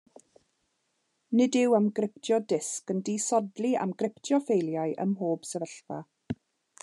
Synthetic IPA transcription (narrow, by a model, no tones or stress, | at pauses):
nɪdɪwamɡrɪp̚tʰjɔdɪskəndiːsɔdlia̰mɡrɪptʰjɔfejlˠjaɨʔə̰mɦoːb̥sɛvəɬva̰